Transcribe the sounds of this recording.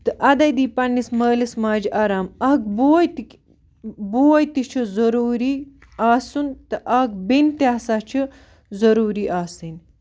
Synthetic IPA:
t̪ɨʔɐd̪ɐjd̪iːpɐnːismɐːlismaːd͡ʒiʔaːɾaːmɐk̚boːjt̪i | boːjt̪it͡ʃʰizɐɾuːɾi | aːsunt̪ɨʔɐɦkbint̪aːsaːt͡ʃʰi | zɐɾuːɾiːʔaːsin

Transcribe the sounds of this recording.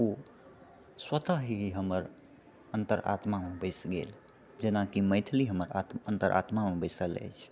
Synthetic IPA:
u | swət̪aɦiɦiɦəməɾ | ənt̪əɾa̰t̪mamebəɪsɡḛl | d͡ʒenakiməɪt̪ʰliɦəməɾat̪ənt̪əɾʔa̰t̪mamebəɪsələ̰jt͡ʃʰ

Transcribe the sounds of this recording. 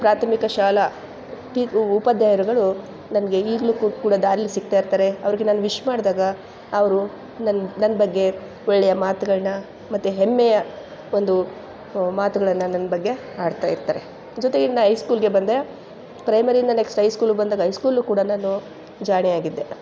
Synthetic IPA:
pɾaːt̪ʰɐmikɐʃaːlɐ | ʈiːpɐd̪ʱjaːjɐɾuɡɐɭu | nɐnɐɡe̞iːɡɭukkuːɽɐd̪aːɾilːisik̚t̪aːiɾt̪aːɾe̞ɐʋɐɾiɡenaːnuʋiʃmaːɽd̪aːɡɐː | ʋɐɾu | nɐnnɐnːɐbɐɡːe̞ | ɔɭːɛjɐmaːt̪uɡɐɭɐnɐ | mɐt̪ːuɦemːɛjɐ | o̞nd̪u | maːt̪uɡɐɭɐnːɐnɐnːɐbɐɡːe̞ | aːɖt̪aːjiɾt̪aːɾe̞ | d͡ʒɔt̪eɡenːɐɦɐjskuːlɡe̞bɐnd̪e | pɾɐjmɐɾind̪ɐne̞ksʈɦɐjskuːlbɐnd̪aːɡɐɦɐjskuːlukuːɽɐnaːnu | d͡ʒaːɳijaːɡid̪ːe̞

